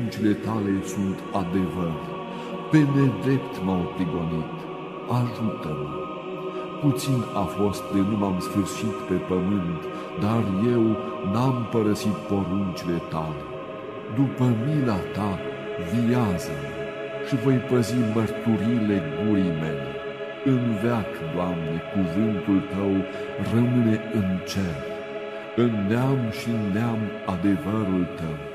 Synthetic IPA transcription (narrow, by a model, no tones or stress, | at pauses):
nt͡ʃile̞t̪ale̞sunt̪ad̪e̞vər | pe̞ned̪ɾe̞pt̪mawp̪ɾiɡo̞nit̪ | aʒut̪əm | put̪sinafo̞st̪̚d̪enumamsfɨrʃit̪pe̞pəmɨnt̪ | d̪arje̞wnampəɾəsit̪̚po̞ɾunt͡ʃile̞t̪ale̞ | d̪upəmilat̪a | vijazəm | ʃivo̞jpəzimərt̪uɾijle̞ɡuɾijmele | ɨnveakd̪oamne̞kuvɨnt̪ult̪əw | rəmɨne̞ɨnt͡ʃelt | ɨnːeamʃinːeamad̪e̞vəɾult̪əw